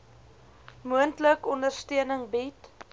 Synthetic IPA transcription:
muəntləkɔndərstiənəŋbit

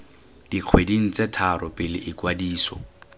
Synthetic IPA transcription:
d̥iq͡χʰwediŋ̩t͡setʰaɾʔɔpʼɪlɪʔɪkwadiːsɔ̰

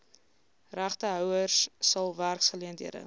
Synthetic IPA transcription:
ræχtəɦœwərsːɐlˠværksχəliəntiədə̰

